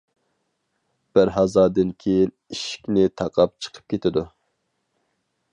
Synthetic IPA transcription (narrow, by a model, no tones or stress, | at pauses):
b̥æɾɦɑzɑːd̪ɨnkʲʰejiniʃi̥kʲnɪt̪ʰɑqʰɑp̚t͡ʃʰə̥qʰə̥p̚kʲʰet̪ʰɪd̪u